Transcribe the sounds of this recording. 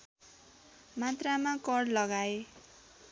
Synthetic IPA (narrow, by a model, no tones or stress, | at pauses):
mat̪ramakʌɽlʌɡae